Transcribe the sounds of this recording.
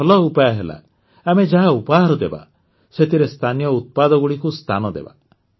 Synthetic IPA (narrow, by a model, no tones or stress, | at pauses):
ɔlɔupajɔɦela̰ | amed͡ʒaɦaupaɦaɾɔd̪eba̰ | set̪ʰiɾest̪ʰanijɔut̪̚pad̪ɔɡuɽikust̪ʰanɔd̪ḛba̰